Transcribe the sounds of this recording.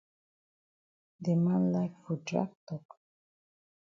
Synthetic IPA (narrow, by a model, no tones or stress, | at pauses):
d̪emãnlajkfud͡ʒa̰k̚t̪ɔk